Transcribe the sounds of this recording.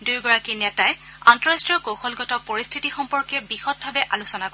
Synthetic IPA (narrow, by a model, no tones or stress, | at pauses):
dujɡɔɹakinɛtaɛ | antɔɹastɹiɔkowxɔlɡɔtɔpoɹistʰitixɔmpɔɹkɛbixɔt̚bʱabɛʔalusɔnakɔɛ